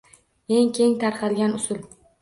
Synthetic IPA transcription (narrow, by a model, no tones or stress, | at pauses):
e̞ŋkʲʰe̞ŋt̪ʰaɾqʰɑd̪ɪɡʲanʊsʊl